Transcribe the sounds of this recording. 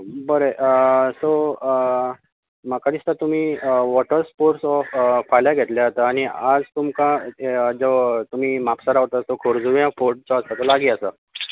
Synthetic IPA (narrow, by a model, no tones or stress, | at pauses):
bəɾeʔəso | makad̪ist̪at̪um̤iːʋɔʈəɾspoɾsfajljaɡʱet̪ljaɦot̪aaɽ̃iad͡zt̪umkãd͡zət̪um̤iːmapsaɾaɦot̪asokʰoɾd͡zuʋjãfoɾʈ̚t͡sɔəst̪at̪olaɡiːəsə